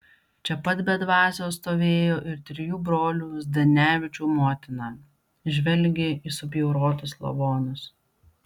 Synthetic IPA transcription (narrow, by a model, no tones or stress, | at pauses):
t͡ʃʲɛpɐt̪bʲɛd̪ʋɑːsʲoːst̪oːʋʲeːjoːʔɪɾt̪ʲɾʲɪjuːbɾoːlʲuːzd̪ʲɐnʲæːʋʲɪt͡ʃʲuːmoːt̪ʲɪnɑː | ʒʲʋʲɛlʲɡʲeiːsʊbʲjɛʊɾoːt̪ʊslˠɐ̰ʋoːnʊs